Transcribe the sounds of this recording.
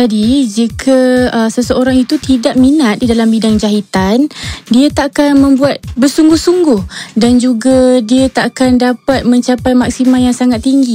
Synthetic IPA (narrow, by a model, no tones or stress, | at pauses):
d͡ʒadid͡ʒikʰəəsəsəoɾaŋit̪ut̪idaʔ̚minat̪̚didalambidaŋd͡ʒaɦit̪andiat̪aʔːkanmə̃mbuat̪̚bərsuŋɡʊhsuŋɡʊhdand͡ʒuɡadiat̪aʔːkandapat̪̚mə̃ɲt͡ʃapajmak̚simanjaŋsaŋat̪ːiŋɡi